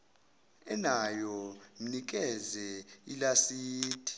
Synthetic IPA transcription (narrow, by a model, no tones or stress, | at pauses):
ɛnajɔm̩nik̬ʼɛzɛilasiːtʰʼi̥